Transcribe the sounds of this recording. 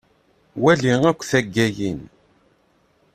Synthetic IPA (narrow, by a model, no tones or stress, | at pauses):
wæliŋækʷːθæɡːæjin